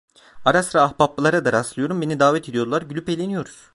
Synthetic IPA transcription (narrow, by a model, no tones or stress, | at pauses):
aɾasɾaːhpapːɯlˠaɾad̪aɾaslˠɯjo̞ɾumbe̞nid̪aːvɛt̪ʰe̞d̪ijo̞d̪ulˠaɾɟylʲype̞lʲenijo̞ɾuz̥